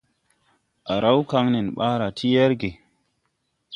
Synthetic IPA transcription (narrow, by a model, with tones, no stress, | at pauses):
ʔa˨ɾa˦wka˦ŋnɛ˨nɓaː˦ɾa˨tʰi˦jɛ˦ɾɡe˨